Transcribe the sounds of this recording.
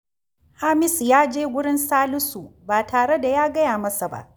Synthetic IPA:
haː˦mɪ˦sjaː˦d͡ʒeː˦wʷʊ˦ɽɪ˦nsaː˦lʊ˦su˨baː˨tʰaː˨ɽe˦da˨jaː˦ɡɐ˦jaː˨mɐ˦sa˨ba̰˦ʔ

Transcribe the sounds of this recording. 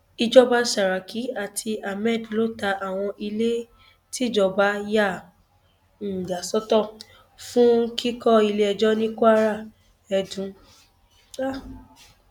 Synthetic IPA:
i˧d͡ʒɔ˦ba˦ʃa˨ɾa˨kʰi˨˦a˨tʰi˧a˨mɛ˦˨dlo˦ta˧ʔa˨w̃ɔ̃˧ʔi˧le˦ | ti˦˨d͡ʒɔ˨ba˨˦ja˦˨ | n̩˨ɡa˨sɔ˦tɔ˦˨ | fũ˦ŋ̩˦ki˦kɔ˦i˧le˦ɛ˧d͡ʒɔ˦nĩ˦ku˦a˦ɾa˦˨ | ɛ˧dũ˨˦ | a˦˨

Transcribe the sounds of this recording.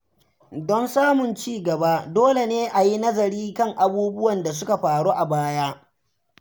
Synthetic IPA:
dɔ˦nsaː˦mʊ˨nt͡ʃiː˦˨ɡɐ˨ba˦doː˦le˨neː˦ʔa˨ji˦nɐ˦zɐ˨ɾiː˦kɐ˦ŋʔa˨buː˦bʊ˦wɐ˨nda˨s̬ʊ˦ka˨ɸaː˨ɽuː˦ʔa˨baː˦jaː˦

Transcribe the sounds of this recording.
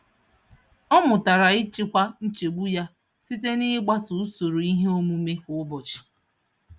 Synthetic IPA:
ɔ˦mʊ˨ta˨ɾa˨ɪ˦t͡ʃɪ˦kʷa˦n̩˦t͡ʃe˨ɡ͡bu˦ja˦ | si˦te˦ni˦ɡ͡ba˦sʊ˨u˦so˨ɾo˨i˦ɦe˦o˦mu˦me˦kʊ˨˦bɔ˨t͡ʃɪ̥˨

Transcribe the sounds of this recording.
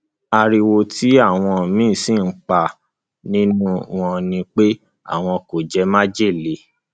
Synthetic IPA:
a˧ɾi˧wo˧tʰi˨˦a˦˨w̃ɔ̃˧˨mĩː˦˨si˦˨n̩˦k͡pa˨ | nĩ˦nũ˦w̃ɔ̃˧nĩ˧k͡pe˦ | a̰˦˨w̃ɔ̃˧ko˨d͡ʒɛ˦mã˦d͡ʒe˦˨le˨˦

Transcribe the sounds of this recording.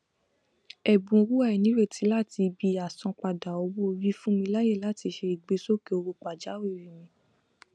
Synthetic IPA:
ɛ˨bũ˨˧ɾu˦a˦˨i˨nĩ˦ɾe˦˨tʰi˨˦la˦˨ti˧bi˧a˨sɔ̃˧k͡pa˨da˨o˨˧bo˦˧ɾi˦fũ˦mĩ˧la˦je˦˨la˦ti˧ʃe˧i˨ɡ͡be˨˦so˦ke˧˨o˧ɾo˧k͡pa˨d͡ʒa˨˦wi˦˨ɾi˨mĩ˧

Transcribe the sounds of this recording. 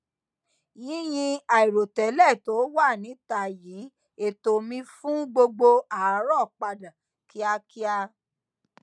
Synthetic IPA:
jĩ˨˦j̃ĩ˧a˨i˨ɾo˨tɛ˨˦lɛ˦˨to˨˦wa˦˨nĩ˨˦ta˧˨jiː˨˦ | e˦˨to˨mĩ˧fũ˦ɡ͡bo˧ɡ͡bo˧a˨˦ɾɔ˦˨k͡pa˧dã˨ | ki˨˦a˧ki˦a˧

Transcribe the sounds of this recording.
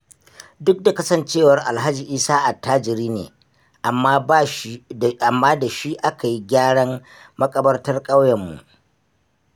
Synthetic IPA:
dʊ˦k̚da˨kɐ˦sɐ˦˨nt͡ʃeː˦˨wɐ˨˦rʔa˨lɦa˦d͡ʒiː˨ʔiː˦saː˦ʔa˨tːaː˦d͡ʒɪ˨ɾiː˦nḛː˨ | ʔa˨mːaː˦baː˦ʃʔa˨mːaː˦da˨ʃi˦ʔa˦ka˨ji˦ɡʲaː˦ɽɐ˦m | mɐ˦kʼɐ˦bɐ˦rtɐ˦rkʼa˦wjɐ˨mːṵ˨ʔ

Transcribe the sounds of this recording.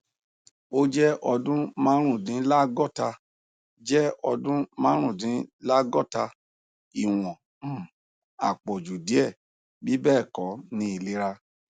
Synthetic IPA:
o˦d͡ʒɛ˦ʔɔ˧dũ˦mã˦ɾ̃ũ˦˨dĩ˨˦la˦ɡɔ˦˨ta˧ | d͡ʒɛ˦ɔ˧dũ˦mã˦ɾ̃ũ˦˨dĩ˨˦la˦ɡɔ˦˨ta˧ | i˨w̃ɔ̃˨ | a̰˨k͡pɔ˨d͡ʒu˨di˨˦ɛ˦˨ | bi˨˦bɛː˦˨kɔ˨˦nĩ˦i˧le˦ɾa˧

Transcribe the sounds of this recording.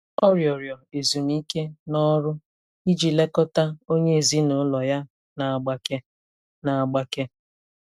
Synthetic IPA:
ɔ˦ɾjɔ˨ɾjɔ˨e˨zu˨ni˦ke˦nɔ˦ɾʊ˦ | i˦d͡ʒi˨le˦kɔ˦ta˦o˦ɲe˦e˨zi˦no˨˦lɔ˨ja˦ | na˨a˨ɡ͡ba˦ke˦ | na˨a˨ɡ͡ba˦ke˦

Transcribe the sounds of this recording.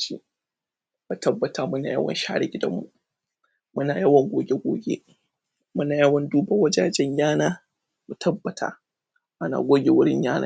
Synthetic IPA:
t͡ʃḭ˦ | mu˨tɐ˦bːɐ˨ta˨˦mʊ˦na̰ː˨jɐ˦wɐ̰˨nʃaː˦ɽɪ˦ɡʲɪ˦dɐ̰˦mːṵ˦˨ | mʊ˦naː˨jɐ˦wɐ˨ŋɡʷoː˦ɡʲe˦ɡʷo̰ː˦ɡʲḛ˦ | mʊ˦naː˨jɐ˦wɐ˨nduː˦bɐ˦wɐ˦d͡ʒa˦d͡ʒɛ˦ɲjaː˦naː˦ | mu˨tʰɐ˦bːɐ˨tʰa̰ː˦ | ʔa˦na̰ː˨ɡʷoː˦ɡʲe˨wʊ˦ɽɪ̰˦ɲjaː˦nʔa̰ː˦

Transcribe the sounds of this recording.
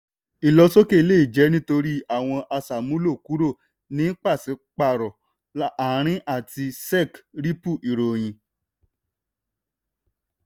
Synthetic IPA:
i˨lɔ˧so˦ke˦i˧le˦˨i˨d͡ʒɛ˨˦nĩ˦to˧ɾi˦a˦˨w̃ɔ̃˧ʔa˧sa˨mũ˦lo˦˨ku˨˦ɾo˦˨ | nĩ˨˦k͡pa˦˨si˨˦k͡pa˦˨ɾɔ˨ | la˨˦ɾ̃ĩ˦ʔa˦˨ti˧sɛ˦˨kɾi˦pu˦˨ʔi˨ɾo˨j̃ĩ˨˧

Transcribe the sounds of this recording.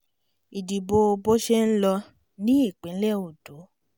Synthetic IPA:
i˨di˨bo˧o˧bo˦ʃe˦n̩˦lɔ˧ | nĩ˦i˦˨k͡pẽ˨˦lɛ˦˨o˨do˨˦

